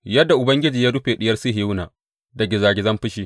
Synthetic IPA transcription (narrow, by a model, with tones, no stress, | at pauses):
jɐ˦dːa˨ʔʊ˨bɐ˦ŋɡʲɪ˦d͡ʒiː˨jaː˦ɽʊ˦ɸeː˨ɗɪ˦jɐ˦rsi˦hɪ˨jnaː˨ | dɐ˨ɡʲɪ˨zaː˨ɡʲɪ˨zɐ˦mɸɪ˦ʃiː˦